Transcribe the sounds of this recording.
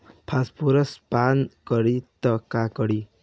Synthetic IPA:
pʰaspʰuɾʌspankʌɽit̪ʌkakʌɽi

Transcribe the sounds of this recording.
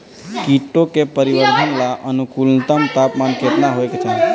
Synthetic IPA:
kiʈːokepəɾiʋəɾd̪ʱənlaʔənukulnət̪əmt̪apmankʰet̪naɦojket͡ʃʰaɦe

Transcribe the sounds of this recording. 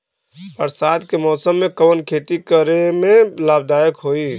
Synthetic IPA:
pəɾsaːd̪kemɔːsəmːẽkəʋənkʰet̪ikəɾemẽlaːb̚d̪aːjəkɦoi

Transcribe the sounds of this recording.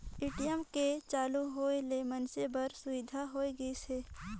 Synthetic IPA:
ɪʈijəmket͡ʃaːluɦoːelemənsebəɾsʊʋɪd̪ʱaɦoːeɡəiseː

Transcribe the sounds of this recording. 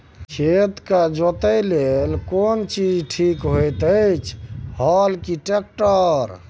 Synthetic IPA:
t͡ʃʰet̪kad͡ʒot̪əjlelkont͡ʃid͡ʒʈʰikɦojt̪əjt͡ʃʰhɔlkiʈek̚ʈəɾ

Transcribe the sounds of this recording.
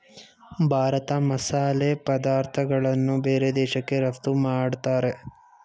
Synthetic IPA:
bʱaːɾɐt̪ɐmɐsaːleːpɐd̪aːɾt̪ʰɐɡɐɭɐnːubeːɾed̪ɛːʃɐkːe̞ɾɐft̪umaːɽt̪aːɾe̞

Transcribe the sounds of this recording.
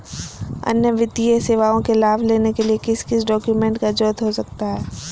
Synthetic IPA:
ɐ̰njəʋɪt̪ieseːʋaːõkelaːbʱleːnekeliekɪskɪsɖɔːkjumẽːɳʈkad͡ʒoːt̪ɦosɐk̚t̪aɦɛː

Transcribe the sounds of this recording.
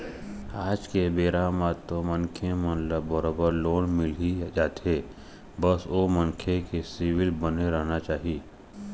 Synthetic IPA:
aːd͡ʒkebeːɾaːmat̪ːomənkʰemə̃nləbːəɾoːbəɾloːnmɪlid͡ʒaːt̪eː | bəsomə̃ŋkʰekesiwɪlbəneɾəɦnat͡ʃaːɦieː

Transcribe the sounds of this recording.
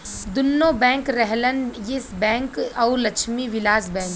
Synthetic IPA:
d̪ʊnːõbɛ̃ːŋkɾɛɦlənjɪsbɛ̃ːŋkɔːɾlɐkʃmiʋɪlaːzbɛ̃ːŋk

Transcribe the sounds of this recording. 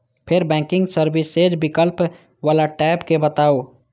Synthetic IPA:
pʰɪɾbɛ̃ːkɪ̃ŋɡsəɾbɪseːd͡ʒbɪkəlp | ʋaːlaʈɛːpkebət̪aːo

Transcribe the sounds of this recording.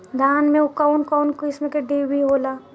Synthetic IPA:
d̪ʱaːnmẽʊkaʊnkɔʊnkoɪsmẽkeɖeːbʱiɦoːlaː

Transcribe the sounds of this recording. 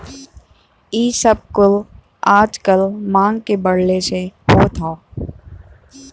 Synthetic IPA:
iːsəb̚kʊl | aːd͡ʒkəlmãːŋɡkebəɽleseɦoːt̪ʰaː

